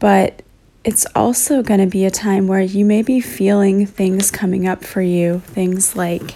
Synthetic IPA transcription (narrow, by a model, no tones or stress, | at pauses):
b̥ʌɾ | ɨtsɔ̰lˠsoʊɡʌɾ̃ɨbiɨtʰãɪ̃mwə˞jɨmeɪbifilˠɪ̃ŋθɪ̃ŋz̥kʰʌmɪ̃ŋʌpfə˞jʉθɪ̃ŋz̥laɪk